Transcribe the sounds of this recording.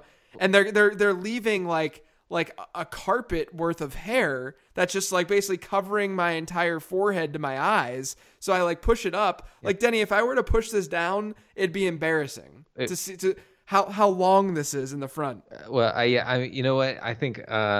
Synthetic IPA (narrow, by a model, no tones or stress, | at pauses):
ʔɨ̃nðə˞ðə˞ðə˞livɪ̃ŋlaɪk | laɪkʔəkʰɑɹpɨt̚wɜ˞θʌv̥hɛɹ | ðɨtsd̥ʒ̥ʌst̚ˡlaɪk̚b̥eɪsɪklikʰʌvə˞ɪ̃ŋmaɪɨ̃ntʰaɪə˞fɔɹɦɛd̚tɨmaɪaɪz̥ | soʊaɪlaɪk̚pʰʊʃɨɾʌplaɪk̚d̥ɛñiɨfaɪwə˞ɾəpʰʊʃðɪs̬d̥ãʊ̃n | ʔɨd̚biɨ̃mbɛɹɨsɪ̰̃ŋtʰɨsiɾɨ | haʊɦaʊlɔ̃ŋðɪsɪzɨ̃n̩ðɨfɹʌ̃nt̚wɛ̰lˠa̰ɪjæ̰ʔã̰ɪ̃jɨ̰noʊwʌta̰ɪθɪ̃ŋkʌ̰